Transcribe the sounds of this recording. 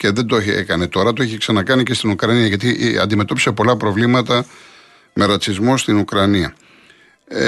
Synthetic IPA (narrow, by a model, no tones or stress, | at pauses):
ce̞ðe̞nd̪oeçe̞̰kɐnet̪o̞ɾɐt̪oeçiksɐnɐkɐnice̞st̪inukɾɐniɐʝɐt̪̬iʔɐ̰nd̪ime̞t̪o̞pise̞po̞lɐpɾo̞vlimɐt̪ɐ | mʔe̞ɾɐt͡sizmost̪inukɾɐniɐ̰